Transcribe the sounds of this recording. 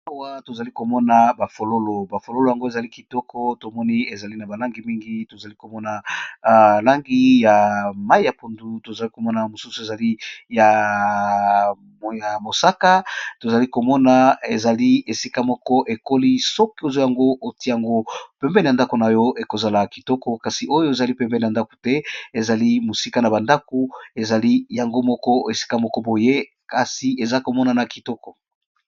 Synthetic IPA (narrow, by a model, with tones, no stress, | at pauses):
a˦wa˦to˨za˨li˦ko˨mɔ˦na˨ba˨fo˨lo˦lo˨ba˨fo˨lo˦lo˨ja˨ŋɡo˦e˨za˨li˦ki˨tɔ˦kʰɔ˦to˨mɔ˦ni˦e˨za˨li˦na˨ba˨la˦ŋɡi˨mi˦ŋɡi˦to˨za˨li˦ko˨mɔ˦na˨ | la˦ŋɡi˦ja˨ma˦i˦ja˨po˨ndu˨to˨za˨li˦ko˨mɔ˦na˨mo˨su˦su˨e˨za˨li˦ja˨ | m˨ja˨mo˨sa˦ka˦to˨za˨li˦ko˨mɔ˦na˨e˨za˨li˦e˨si˦ka˦mɔ˦kɔ˦ʔe˨ko˦li˦sɔ˦ki˦o˨zo˦ja˨ŋɡo˦ʔo˨ti˦ja˨ŋɡo˦pɛ˦mbɛ˦n˨a˨nda˦ko˨na˨jɔ˦ʔe˨ko˨za˨la˨ki˨tɔ˦kɔ˦ka˨si˨ʔo˦jo˦e˨za˨li˦pɛ˦mbɛ˦n˨a˨nda˦ko̥˨tɛ˦e˨za˨li˦mo˨si˦ka˦na˨ba˨nda˦ko˨e˨za˨li˦ja˨ŋɡo˦mɔ˦kɔ˦e˨si̥˦ka˦mɔ˦kɔ˦bo˨je˦ | ka˨si˨e˨za˦ko˨mɔ˦na˨na˨ki˨tɔ˦kɔ˨